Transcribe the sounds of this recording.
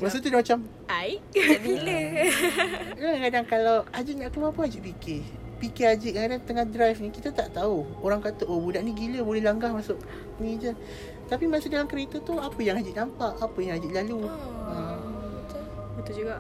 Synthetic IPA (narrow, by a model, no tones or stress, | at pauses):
məs̬ət̪udamat͡ʃam | aiʔɡilə | akaŋkadaŋkalawad͡ʒiʔŋaʔkəmapəɦad͡ʒiʔpike | pikead͡ʒiʔkakadaŋt̪əŋahdɾajfnikit̪at̪aʔt̪auoɾaŋkat̪əʔobudaʔniɡiləbolɛhlaŋɡahmasʊʔ | nid͡ʒə | t̪apimasudalamkəɾet̪ət̪uapəjaŋɦad͡ʒiʔnampaʔapəjaŋad͡ʒiʔlaluəmt̪bət̪ud͡ʒuɡaʔ